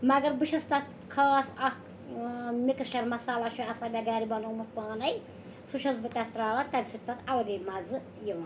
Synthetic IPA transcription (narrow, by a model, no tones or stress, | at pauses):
mɐɡɐɾbɨʃʰɐst̪ɐt̪ | kʰaːsɐk | mʲikɐsʈɐɾmɐsaːlaʃuɐsaːbʲɛɡaːɾibɐnoːmɨt̪̚paːnɐj | suʃɐsbɨt̪ɐt̪ɾaːʋɐnt̪ɐɾsit̪ːɐt̪ɐlɐɡɐjmɐz | jiʋɐn